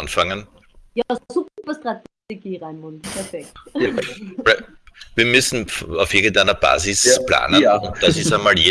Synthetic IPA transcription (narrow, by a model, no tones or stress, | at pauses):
nfaŋən | jasoɡutvɐstʁatteɡiːʁaɪnʁʊlpʰɛɐfɛk̚t | val | viːɐmʏsn̩faʊfʔiɐɡŋn̩tæɪnɐb̥a̰ːzɪspla̰ːnəʊnt̚d̥asɪsæɪnmaːljeː